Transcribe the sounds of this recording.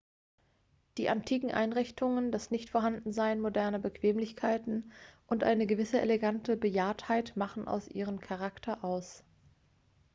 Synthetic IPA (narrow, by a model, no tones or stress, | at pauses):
d̥iːʔantʰiːkŋ̩ʔa̰ɪnʁɪçtʰʊŋəndasnɪçtfoɐɦandn̩zaɪənmodɛɐnəbəkv̥eːmlɪçkʰaɪtn̩ʔʊntʔa̰ɪnəɡəvɪsəʔḛleɡantəbəjaːɐthaɪtmaχn̩ʔa̰ʊsʔḭːʁ̞əmkʰaʁaktʰɐʔaʊs